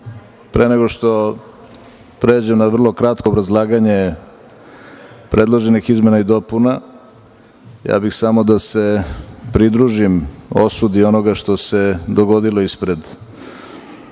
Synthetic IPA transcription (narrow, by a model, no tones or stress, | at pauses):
pɾeneɡo̞ʃt̪o̞ | pɾe̞ːd͡ʑemnaʋr̩lˠo̞kɾat̪koobɾazlˠaːɡaɲe̞ | pɾʔe̞d̪lˠo̞ʒenixizme̞naid̪o̞puna | ja̰ːbixsamo̞d̪ase̞pɾid̪ɾuʒimo̞̰sud̪io̞no̞ɡaʃt̪o̞se̞d̪o̞ɡo̞d̪ilˠoispɾe̞d̪